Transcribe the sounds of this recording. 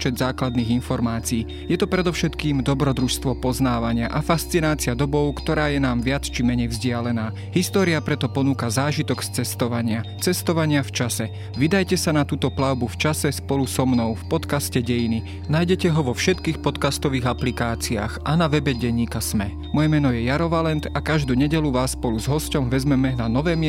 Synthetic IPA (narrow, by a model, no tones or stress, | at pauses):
pt͡ʃɛd̪zaːklad̪niːɣinfɔɾmaːt͡siiː | jɛt̪ɔpɾɛd̪ɔʊʃɛt̪kiːmd̪ɔbɾɔd̪ɾuʃst̪ʋɔpɔznaːʋaɲɪaʔafast͡sinaːt͡siad̪ɔbɔʊkt̪ɔɾaːjɛnaːmʋɪat͡st͡ʃimɛɲɛjvzɟɪalɛnaː | ɦist̪ɔːɾiapɾɛt̪ɔpɔnuːkazaːʒit̪ɔɡst͡sɛst̪ɔʋaɲɪa | t͡sɛst̪ɔʋaɲɪaft͡ʃasɛ | ʋid̪ajcɛsanat̪uːt̪ɔplaʊbuft͡ʃasɛspɔlusɔmnɔʊfpɔt̪kascɛɟɛjini | najɟɛcɛɦɔʋɔfʃɛt̪kiːxpɔt̪kast̪ɔʋiːɣaplikaːt͡sia̰ːxʔanaʋɛbɛɟɛɲːiːkasmɛ | mɔjɛmɛnɔjɛjaɾɔʋalɛnt̪akaʒd̪uːɲɛɟɛluʋaːsːpɔluzɦɔscɔmʋɛzmɛmɛnanɔʋɛːmɪ